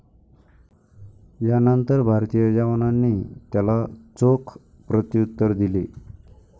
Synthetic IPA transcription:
janənt̪əɾbʱaɾt̪ijəd͡ʑaʋnanːiːt̪jalat͡sokʰ | pɾət̪jut̪ːəɾd̪ile

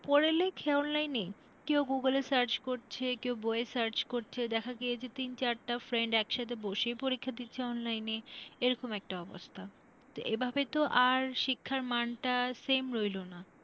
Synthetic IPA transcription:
pɔɾelekʰeɔnlajne | kewɡuɡəlesaɾt͡ɕkoɾt͡ɕʰekewboesaɾt͡ɕkoɾt͡ɕʰed̪ɛkʰaɡijet͡ɕʰet̪int͡ɕaɾʈafɾeɳɖɛkʃat̪ʰeboʃejpoɾikʰːad̪itːɕʰeɔnlajneeɾɔkomɛk̚ʈaɔbo̰st̪ʰa | t̪oʔebʱabet̪oʔaɾʃikʰːaɾmanʈasemɾojlona

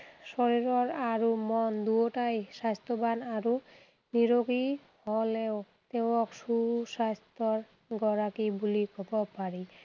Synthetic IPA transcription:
sɔɹiɾɔɹaɹumɔnd̪uoʈajsast̪ɔbanaɾu | niɾoɡi | hɔlɛʊ | t̪ewɔksuusast̪ɔɹ | ɡɔɹakibulikɔbɔpaɹi

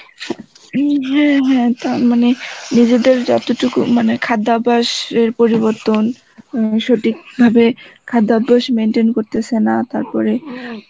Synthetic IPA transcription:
ɦɛ̃ɦɛ̃t̪aɾmanenid͡ʑed̪eɾd͡ʑɔt̪oʈukṵmanekʰad̪ːabaʃeɾpoɾiβoɾt̪on | ʃoʈik̚bʱabekʰad̪ːabaʃmenʈenkoɾt̪et͡ɕʰenat̪aɾpɔ̰ɾe

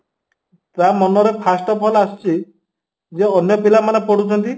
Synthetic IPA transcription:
t̪amɔnɔɾepʰasʈɔpʰɔlasi̥t͡ʃʰi | d͡ʒeɔnjɔpilamanepɔɽut͡ʃʰɔnt̪i

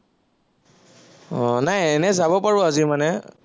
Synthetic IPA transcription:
ɔnajɛnɛzabɔpaɹʊazimanɛ

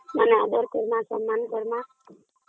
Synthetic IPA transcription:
manead̪ɔɾkɔɾmãsɔ̰mːankɔɾmã

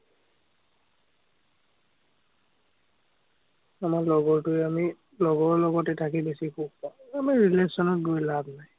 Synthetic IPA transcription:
amaɹlɔɡɔɹtʊɛami | lɔɡɔɹlɔɡɔtɛtʰakibesikʰub̚pãamaɹilesɔnɔt̚ɡojlabnaj

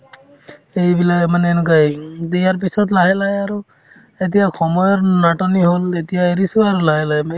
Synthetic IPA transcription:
ejbilamanenukajd̪ejaɹp̬isɔt̪laɦɛlajaɾu | et̪̬ijakʰɔmɔjɔɾnaʈɔniɦolet̪ijaeɾisuaɾulaɦɛlajm

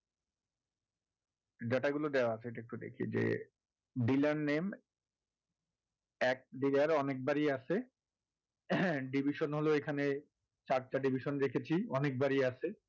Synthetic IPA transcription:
d͡ʑaʈaɡulod̪eoaat͡ɕʰeeʈaek̚ʈud̪ḛkʰḭd͡ʑḛ | ɖilaɾnem | ɛk̚ɖilaɾɔnek̚baɾiaʃʰe | ɖibʱiʃonɦoloekʰane | t͡ɕaɾt͡ɕaɖibʱiʃonɾekʰet͡ɕʰiɔnek̚baɾiaʃʰe

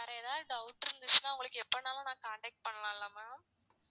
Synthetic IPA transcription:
nɐɾɐɛðaːðɯɖɐʊʈːɪɾɯnd̪ɯt͡ʃːɯnːaːʊŋɡɐɭɯkːɯɛpːonaːlɐ̃nãːkaːɳʈeːk̚ʈ̚pɐɳːɐlãːɪlːaːmaː

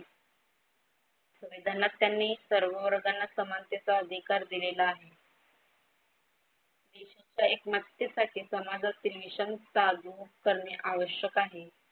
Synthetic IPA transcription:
suʋid̪ʱanat̪ːjanːiːsəɾʋəʋəɾɡanːasəmant̪jet͡saəd̪ʱikaɾd̪ilelaːɦe | d̪eɕat͡ɕjaekmət̪jəsaʈʰiːsəmad͡zət̪ɾiʋiɕənt̪ad̪ukəɾmjiʔaʋəɕjəkaɦe

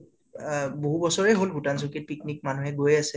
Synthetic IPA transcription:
boɦubɔsɔɹɛɦolɡʱutans̬ukit̚piknik̚manuɦɛɡojasɛ

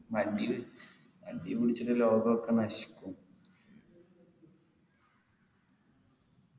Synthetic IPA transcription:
mɐɖi | ɐ̰ɖipiɽit͡ɕːuɾeloːɡɐokːenɐɕi̥kʲːum

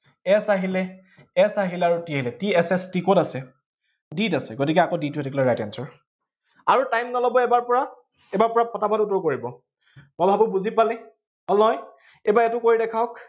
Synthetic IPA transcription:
ɛsaɦilɛ | ɛsaɦilɛaɹutiaɦilɛtiɛsɛstikɔtasɛ | ditasɛɡotikɛakoditʊɛtɛklɔɹajtansɔɹ | aɹutajmnɔlɔbɔɛbaɹpɔɹa | ɛbaɹpɔɹapʰɔtabɔtutɔɹkoɹibɔ | mɔbʱabʊbuzipalɛ | ɔlnɔj | ɛbaɛtʊkoɹidɛkʰaʊk

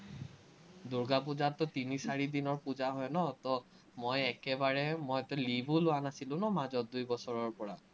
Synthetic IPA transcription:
duɹɡap̬uzatːɔtinisaɹidinɔɹpuzaɦɔjnɔt̪ɔ | mojɛkɛbaɹɛmɔjtɔlibulʊanasilʊ̃nɔmazɔdujbɔsɔɹɔɹpɔɹa

